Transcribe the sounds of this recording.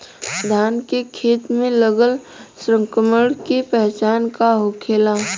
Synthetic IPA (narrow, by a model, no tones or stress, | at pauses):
d̪ʱaːnkekʰeːt̪mẽləɡəl | sɾə̃ŋkəməɽkepɛɦt͡ʃaːnkaɦokʰeːla